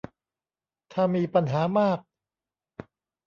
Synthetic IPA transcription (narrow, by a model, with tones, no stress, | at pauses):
t̪ʰaː˥˩miː˧pa˧nɦaː˩˦maː˥˩k̚